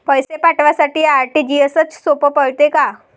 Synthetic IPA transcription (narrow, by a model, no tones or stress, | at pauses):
pəjsepaʈʋasaʈiːaɾʈiːd͡ʑiəsət͡ssopəpəɭt̪eka